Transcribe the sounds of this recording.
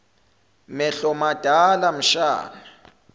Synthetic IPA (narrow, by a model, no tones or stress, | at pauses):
mɛɬɔmad̥ʱalam̩ʃa̰ːna